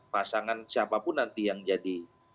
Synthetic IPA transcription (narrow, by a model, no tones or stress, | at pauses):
pasaŋansiapapʊnːant̪ijaŋd͡ʒadi